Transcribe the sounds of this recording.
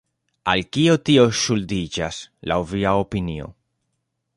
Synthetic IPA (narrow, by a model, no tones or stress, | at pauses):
alkio̞tio̞ʃuldid͡ʒasla̰wviaopinio̰